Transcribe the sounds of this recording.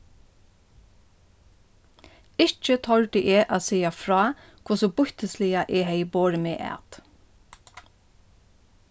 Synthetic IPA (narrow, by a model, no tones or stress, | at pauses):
ɪt͡ʃət̪ʰɔɹɖ̪ɪʔeːʔɑːsɛɪɑfɹɑː | kʰʊsɔbʊçt̪əslɪɑʔeːheɪboːɾəmḛːʔæ̰ːt̪